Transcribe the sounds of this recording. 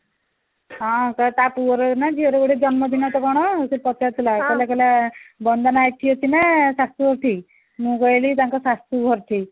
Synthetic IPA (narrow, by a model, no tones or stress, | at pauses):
ɦãkat̪apuɾɔnad͡ʑiəɾeɡoɽed͡zɔnməd̪ʱinat̪ɔkɔɽ̃ɔsepɔt̪at̪lakaljakɛljabɔnd̪anaːʈ̪ʰiɦot̪inasast̪ɾuɡʱɔɾʈ̪ʰi | mũɡəjlit̪jãŋkasast̪ɾuɡʱɔɾʈ̪ʰi